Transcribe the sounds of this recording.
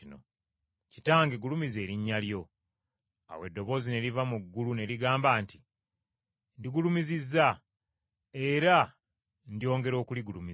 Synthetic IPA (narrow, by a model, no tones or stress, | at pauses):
ino̰ | citaːŋɡeɡulumize̞ːɾiɲːaljo̞ | a̰we̞dːo̞βo̞ːzine̞ɾivamuɡːulune̞ɾiɡaːmbaːnti̥ | ndiɡulumizizːa | e̞ɾa | ndio̞ːŋɡe̞ɾo̞ːkuliɡulumi